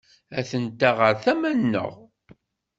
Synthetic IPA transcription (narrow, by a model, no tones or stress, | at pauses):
æθənt̪aʁəɾθæmænːə̰ʁ